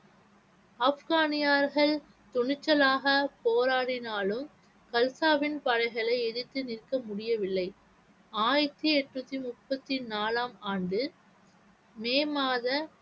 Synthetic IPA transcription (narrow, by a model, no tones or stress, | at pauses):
ɐfɣaːnɪjaːɾɣɐɭ | t̪ʊɳɪt͡ʃːɐlaːɣɐpoːɾaːɽɪnaːlɯm | kɐlsaːʋɪnpɐɻɐɪɣɐɭɐɪɛðɪt̪ːɯnɪrkɐmʊɽɪjɐʋɪlːɐɪ | aːjɪt̪ɯɛʈːnut̪ːimʊpːɐt̪ːinaːlaːmaːɳɖɯ | meːmaːðɐ